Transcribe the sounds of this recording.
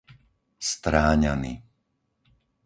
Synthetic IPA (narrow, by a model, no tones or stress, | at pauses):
st̪ɾaːɲanḭ